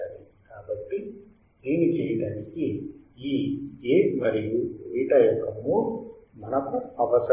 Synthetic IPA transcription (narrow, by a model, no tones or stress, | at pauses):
aɾikaːbɐʈːi | d̪iːnit͡ʃɛːjɐɽaːniki | iːeːmɐɾijuejiʈaːjɐkːɐmːumɐnɐkuɐʋɐs